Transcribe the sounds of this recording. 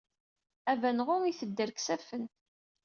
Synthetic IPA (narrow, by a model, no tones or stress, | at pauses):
ævænʁʊŋiθəd̪ːəɾksæfən